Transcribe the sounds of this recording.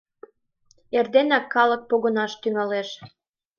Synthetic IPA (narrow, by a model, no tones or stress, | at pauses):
erd̪enɑkːɑlək̚poɣonɑʃt̪yŋɑleʃ